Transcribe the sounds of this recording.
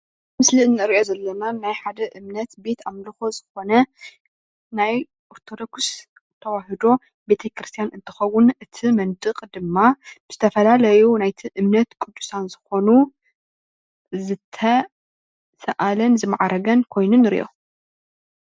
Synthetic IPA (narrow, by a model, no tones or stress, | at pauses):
mɨsliɨnːɨɨɾiʔo̞zɐlːɐnanajħad̪ɐʔɨmnɐt̪be̞t̪amlɨxozɨxo̞nɐ | naj | ʔoɾt̪ʰo̞d̪oks | t̪ʰɐwaɦɨd̪o̞ | be̞t̪ʰɐkɾɨst̪ʰijanɨnt̪ʰɨ̥xɐwʊnɨt̪ʰimɐnd̪ɨkʼd̪ɨmːab̥ɨz̥ɨt̪ʰɐfɐlalɐjunajt̪ʰiʔɨmnɐt̪kʼud̪ːu̥sanzɨxo̞nu | zɨt̪ʰɐ | sɐʔalɐnzɨma̰ʕaɾɐɡɐnkʰo̞jnunɨɾḭʔo̰